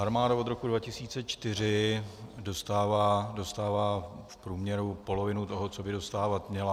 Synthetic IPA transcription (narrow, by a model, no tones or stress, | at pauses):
ʔaɾmaːdaod̪ɾo̞kudvacɪsiːt͡sɛt͡ʃt̪ɪr̝ɪdo̞st̪aːvaːdo̞st̪aːvaːfpɾuːmɲɛɾupo̞lovɪnut̪oɦot͡sobɪdo̞st̪aːvat̪mɲɛla